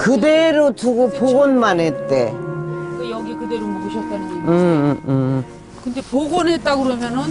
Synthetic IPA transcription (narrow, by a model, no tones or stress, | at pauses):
kɯdeɾotuɡopoɡonmanɦet͈e̞ | jʌɡikɯde̞ɾomʌɡɯɕʰʌts͈anieɯ | kɯnde̞poɡonɦet̚t͈aɡɯɾʌmjʌnɯn